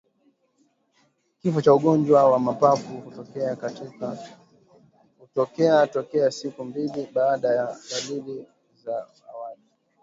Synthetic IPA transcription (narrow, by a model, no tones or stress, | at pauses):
kifɔt͡ʃauɠɔnd͡ʒwawamapafukutɔkɛakatika | utɔkɛatɔkɛasikumbiliɓaːɗajaɡalili | za | awali